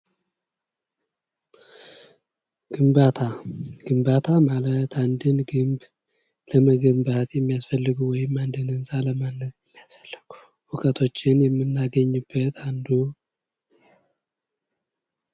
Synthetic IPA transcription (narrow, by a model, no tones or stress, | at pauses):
ɡ̥ɨmbat̪ʰaɡ̥ɨmbat̪ʰamalət̪ʰand̪ɨnɡɨmb | ləməɡəmbat̪jɛmːijasfəlːɨɡuwɔjɪmːand̪ɨnɨnsaləmanːət̪jɛmːijasfəlːɨɡ̥u | wʊkʼət̪ʰo̞t͡ʃːɪnjɛmːɨnːaɡəɲːɨbːət̪ʰand̪u